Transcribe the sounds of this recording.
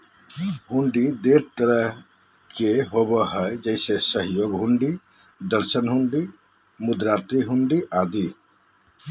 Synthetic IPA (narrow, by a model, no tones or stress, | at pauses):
ɦuɳɖid̪eɾt̪əɾəɦkeɦobəɦəjd͡ʒəɪsesəɦjoɡɦuɳɖid̪əɾsənɦuɳɖi | mud̪ɾat̪iɦuɳɖiʔad̪i